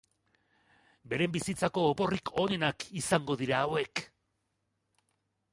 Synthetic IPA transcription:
be̞ɾe̞mbisit͡sako̞ːpo̞rikʰo̞ne̞nakisaŋɡo̞ðiɾaːwe̞k

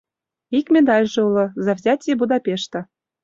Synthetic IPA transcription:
ikmʲed̪ɑlʲʒɤ̆ulɤ̆zɑvzʲatʲjebud̪ɑpʲeʃt̪ə̆

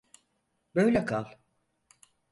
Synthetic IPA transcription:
bøjlʲɛkʰalˠ

